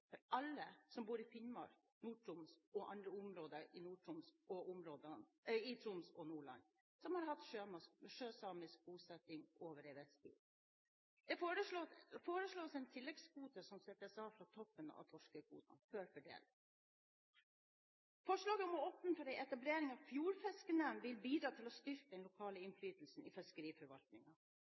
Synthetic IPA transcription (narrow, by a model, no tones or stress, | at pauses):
fɔɾʔɑlːəsɔmbuːɾɪfɪnmɑ̰ːɾ | nuːʈʰʊmsɔʔɑ̰nd̪ɾəʊmɾoːd̪əɾɪnuːʈʰʊmsɔʔʊmɾoːd̪əɪt̪ʰɾʊmsɔnuːɭɑ̰n | sɔmhɑɾɦɑt̪ʂøːmɑskʃøːsɑːmɪsk̚buːsɛt̪ɪŋʔoːʋəɾɛɪʋɛst̪ḭː | d̪̥ɛfɾəfoːɾəʂɭoːsɛnt̪ʰɪlːɛɡskuːt̪əsɔmsɛt̪ːəsɑːfɾɑt̪ʰɔpːənəɑ̰t̪ʰɔʂkəkṵːt̪ɑ̰nføːɾfɔɖḛːl | fɔʂɭɑːɡəɔmɔɔp̪nfɔɾæɪɛt̪ɑbleːɾɪŋɑʋfjuːɾfɛskənənʋɪlbiːd̪ɾɑːt̪ʰɪlɔst̪ʏɾkəd̪ɛnlʊkʰɑːləɪnflyːt̪l̩sn̩ɪːfɛskəɾiːfɔɾʋɑlt̪nɪŋɑ